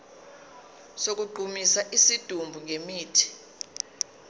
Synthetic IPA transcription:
sok̬uɡ͡ǃʱumisaʔisid̥ʱumbʱuŋʱemiːtʰi̥

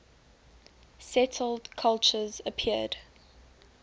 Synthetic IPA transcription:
sɛtʰl̩dkʰalˠt͡ʃəzəpʰiəd̥

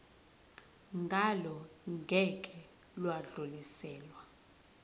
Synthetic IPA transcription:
ŋɡʱalɔŋɡʱɛkʼɛ | lwaɮulisɛːlwa

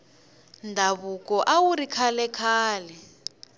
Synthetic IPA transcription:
ndʱaβukɔʔawuɾikʰalɛkʰaːlɛ

